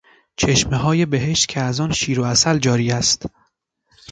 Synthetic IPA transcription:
t͡ʃʰe̞ʃmeɦɒːje̞be̞ɦe̞ʃt̪̚cʰeæzɒːnʃiːɾoæsæld͡ʒɒːɾiːæst̪

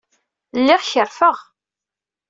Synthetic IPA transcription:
lːɪʁçəɾfəʁ

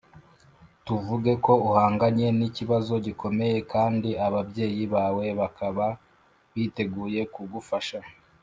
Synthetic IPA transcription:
tuvuɡe̞ko̞uhaːŋɡaɲe̞niciβazo̞ɟikʰo̞me̞je̞kʰaːndiaβabje̞ːjiβaːwe̞βakʰaβa | βiːte̞ɡuːje̞kuɡufaʃa

